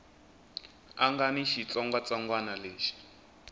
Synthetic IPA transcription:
aŋɡaniʃit͡sɔŋɡwat͡saŋɡwanaleːʃi̥

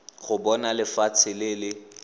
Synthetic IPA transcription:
χʊbɔnalɪfat͡sʰɪlɪlɪ

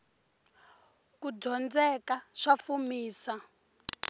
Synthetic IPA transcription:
kud͡zɔnd͡zɛkaʂafumiːsa

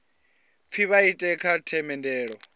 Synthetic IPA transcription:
p̪fʰiβaitʼɛkʰatʰɛmɛndɛːɺɔ

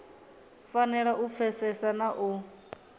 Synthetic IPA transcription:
fanɛɺaʔup̪fʰɛsɛsanaʔu

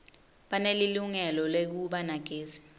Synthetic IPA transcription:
ɓaneliluŋɛlɔlek̬uɓanaɡ̥ʱeːzi̥

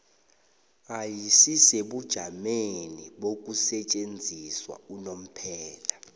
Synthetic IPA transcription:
ajisiseɓud̥ʒ̥ʱameniɓok̬ʼusɛt͡ʃʼend͡zʱiswa̰unom̩pʰɛːla

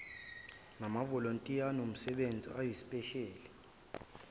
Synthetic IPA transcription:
namavɔlontʼijanom̩sɛɓend͡zʱḭajisi̥pʼɛʃɛːlɛ

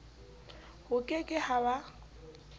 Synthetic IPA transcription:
hʊkʼekʼɪhaba

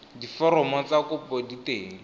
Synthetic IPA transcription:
difɔɾɔmɔt͡sakʊpoditeːŋ̩

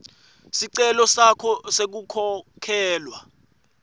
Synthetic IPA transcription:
siǀɛlɔsakʰɔsek̬ukʰɔkʰɛːlwa

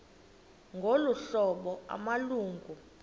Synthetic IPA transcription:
ŋɡʱoluɬɔɓɔa̰maluːŋɡʱu

